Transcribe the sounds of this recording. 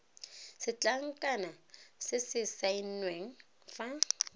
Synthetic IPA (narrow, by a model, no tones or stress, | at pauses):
sɪt͡ɬʼaŋ̩kʼanasɪsɪsain̩nweŋ̩ | fa